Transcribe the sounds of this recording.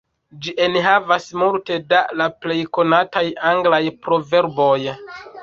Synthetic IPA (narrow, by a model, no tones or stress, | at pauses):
d͡ʒiʔenɦavasmulte̞dalaple̞jko̞natajaŋɡlajpɾo̞ve̞ɾbo̞j